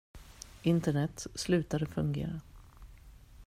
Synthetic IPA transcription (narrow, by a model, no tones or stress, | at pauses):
ɪnt̪əɳɛt̪slʉ̟ːt̪ad̪əfɵŋɡḛːɾa